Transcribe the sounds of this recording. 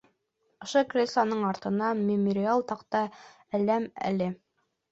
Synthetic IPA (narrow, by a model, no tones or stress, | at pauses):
ŏʃɤkrʲeslˠanɤɴɑɾt̪ɤ̆nɑmʲɪmoɾʲɪalˠt̪ɑqt̪ɑ | ælæmæ̰lɘ